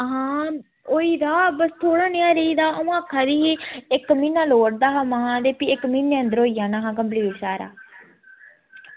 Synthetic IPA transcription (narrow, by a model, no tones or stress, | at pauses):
ɦãː | oːiːd̪aːbəst̪ʰoːɽaːnɪjãːɾeiːd̪aːəũːakʰːaːd̪iːɦiːɪkmĩːnãːloːɽ̚d̪aːɦaːmaːãːd̪eːpiːɪkmiːneːənd̪əɾɦoːiːãːnaːɦãːkəmp̬liːsaːɾa̰ː